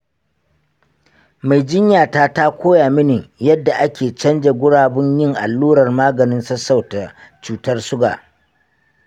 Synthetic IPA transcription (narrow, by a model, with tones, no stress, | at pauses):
ma˨jd͡ʒɪ˦ɲjaː˨ta˦ta˦kʷʰoː˦jaː˨mɪ˦ni˨jɐ˦dːa˨ʔa˦kʲeː˨t͡ʃɐ˦nd͡ʒa˨ɡʷʊ˦ɽaː˨bʊ˦ɲjɪ˦˨ŋʔa̰˨lːuː˦ɽɐ˨rmaː˦ɡɐ˨nɪ˦nsɐ˦sa˨wta˨t͡ʃuː˨tɐ˦rsʊ˦ɡa̰ː˨